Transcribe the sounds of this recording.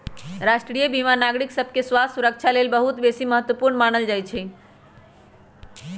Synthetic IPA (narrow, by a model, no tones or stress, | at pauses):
ɾaʃʈɾijəbʱimanaɡɾiksəbʱkeswasuɾək̚t͡ʃʰalelbəɦut̪besiməɦət̪wəpuɾnmanəld͡ʒajt͡ʃʰɛ